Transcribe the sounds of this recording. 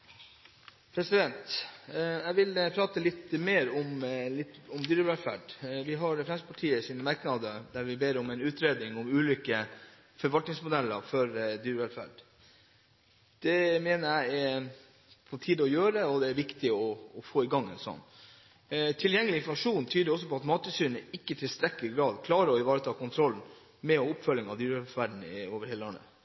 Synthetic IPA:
pʰɾɛsɪd̪ɛnt̪ | æɪʋɪlpʰɾɑːt̪əlɪt̪ːmeːɾʊmlɪt̪ːɔmd̪yːɾəʋɛlfæ̰ɖʋɪɦɑɾfɾɛmsəpʰɑʈʰiːəsiːnəmɑɾknɑd̪əd̪æɾʋɪbeːɾɔmɛnʉːt̪ɾeːd̪ɪŋɔmʉːlʏːkə | fɔɾʋɑlt̪nɪŋsmʊd̪ɛlːə̰ɾfɔɾd̪yːɾəʋɛlfæ̰ɖ | d̪̥ɛmeːnəɾæɪ | foːʈʰiːd̪ɔjøːɾəɔd̪ɛæɾʋɪkt̪ɪɔːfoːɪɡɑŋːɛ̰nsɔ̰nː | t̪ʰɪljɛŋːəlɪnflmɑʂuːnt̪ʰyːd̪əɾɔs̬ːɔpɔɑt̪mɑːt̪əsyːɾɳəɪkːət̪ʰɪlst̪ɾɛkːəɾɪɡɾɑːd̪kʰlɑːɾəɔɪʋɑːɾət̪ʰɑːkʊnt̪ʰɾɔln | mɛɔʊpːfœlːɪŋɑd̪yːɾʋɛlfæɖɳn̩oːʋəɾhɛləɑnːə̰

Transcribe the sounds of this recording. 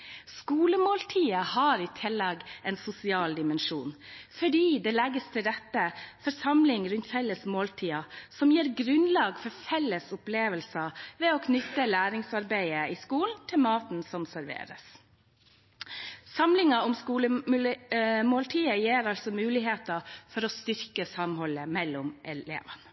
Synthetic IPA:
skuːləmoːlt̪ʰiːəhɑɾiːt̪ʰɪlːɑːɡɛnsʊsɪɑːld̪ɪmɛnʂṵːnfɔɖiːd̪ɛːlɛɡəst̪ʰɪɾɛt̪ːəfɔɾsɑmlɪŋɾʉnt̪fɛlːəsmoːlt̪ʰiːɑsɔmjeːɾɡɾʉnlɑːɡfɔɾfɛlːəsʊpleːʋəlsɑʋɛoːkʰnʏt̪ːəlæːɾɪŋsɑɾbæɪəɪskuːln̩t̪ʰɪlmɑːt̪n̩sɔmsæɾʋḛːɾə̰s | sɑmlɪŋɑɔmskuːləmmoːlt̪ʰiːəjeːɾɑlsɔmʉːlɪɦeːt̪ɑfɔɾɔst̪ʏɾkəsɑmɦɔlːəmɛlːʊmʔɛḛːʋənə

